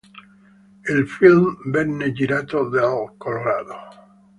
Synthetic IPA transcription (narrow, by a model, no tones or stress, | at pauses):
elfilmbenːeʎiɾat̪oðelkoloɾaðo